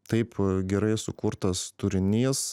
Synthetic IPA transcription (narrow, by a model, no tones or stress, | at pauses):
t̪ɐɪpɡʲɛɾɐɪsʊkʊɾt̪ɐst̪ʊɾʲɪnʲiːs